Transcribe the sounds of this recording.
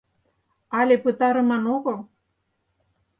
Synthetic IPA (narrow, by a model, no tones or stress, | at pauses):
ɑlʲepɨt̪ɑɾɤ̆mɑnoɣɤ̆lˠ